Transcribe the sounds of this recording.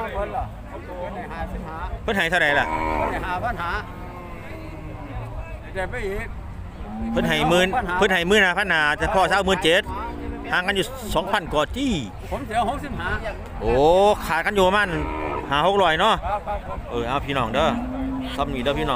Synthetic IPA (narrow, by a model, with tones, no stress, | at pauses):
iː˧˨˦pʰɤ˧˥nha˨˩jt̪ʰa˧ɾa˨jla˧˩˨ʔː | a˧˨naː˨˦ | ɛ˧pa˧˨˧ | pʰɤ˧˨nɦa˨˩jmɯː˧˥˩nʰ˧ɤ˧˨nɦa˨˩jmɯː˧˥nhaː˨˧˩pʰa˧˥˨nhaː˨˦t̪a˧˩pʰɔː˧˩˨sa˧˨wmɯː˧˥˨nt͡ɕe˧˩t̪̚haː˨˧˦ŋka˧˨njuː˧ | sɔː˨˦ŋpʰa˧˩˨nkɔː˨˩t͡ɕiː˧˥˩ | o˨˦mi˧˦ho˧˥ksi˧˨phaː˨˩˦ | ʔoː˧˩kʰaː˨˩t̪̚ka˧˨njuː˧˨˧maː˧˥˨nhaː˨˩ho˧˥k̚lɔː˧˩˨jnɔ˧˥˩ʔɤː˧˩ʔaː˧˩wpʰiː˧nɔː˧˩ŋdɤː˧˥˩sɔ˧˥˨mniː˧˩dɤː˧˩pʰiː˧nɔː˧˨ŋ